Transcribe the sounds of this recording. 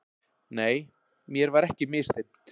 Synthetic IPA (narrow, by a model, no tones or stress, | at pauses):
neːj | mjɛɾvaɾɛhcɪmɪst̪ep̚t̪